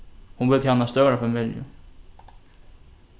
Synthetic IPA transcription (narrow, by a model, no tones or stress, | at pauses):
hunbʏt̪ʰɪanːast̪œɣɾafamɪljʊ̰